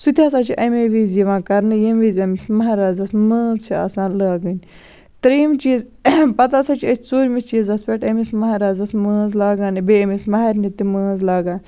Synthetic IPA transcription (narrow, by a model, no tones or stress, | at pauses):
sut̪ʰʲjaːsaːt͡ʃʰiʔɐmeʋiziʋãːkɐɾnɨjɐmizɐmismɐɦaːɾaːzɐsməːnzt͡ʃʰia̰ːsãːlaːɡənʲ | t̪ɐɾiːmt͡ʃiːz | pɐt̪aːsɐt͡ʃʰiɐt͡ʃʰʲt͡soːɾʲmist͡ʃiːzɐspʲeʈɐmismɐɦaːɾaːzɐsmə̃ːnzlaːɡaːnbeɐmismɐɦɐɾʲnit̪iməːnzlaːɡaːn